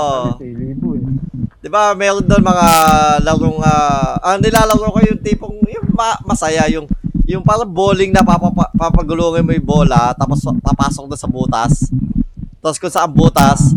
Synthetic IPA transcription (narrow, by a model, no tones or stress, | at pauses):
ʔo | d̪̥ɪbamɛːɾond̪onmɐŋalɐɾoŋaːʔɐŋnɪlaːlɐɾoːkojʊŋt̪iːpoŋjʊŋmɐmɐsɐjajʊŋjʊŋpaːɾɐŋboːlɪŋnɐpapɐpapapɐɡʊloːŋɪjmojboːlɐt̪aːpospɐpaːsok̚d̪ɐsɐbuːt̪ɐs | t̪askʊnsɐʔamboːt̪ɐs